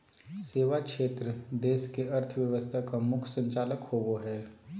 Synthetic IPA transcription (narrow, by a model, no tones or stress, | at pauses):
seːʋakʃeːt̪ɾəd̪eːskeɐɾt̪ʰʋjəʋəst̪ʰakamʊkʰsə̃ɲt͡ʃaːləkhoɡoɦɛː